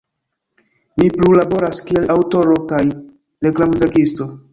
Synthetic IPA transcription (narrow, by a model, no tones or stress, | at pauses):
miplulabo̞ɾaskie̞lʔawto̞ɾo̞kaj | ɾe̞klamutakisto̞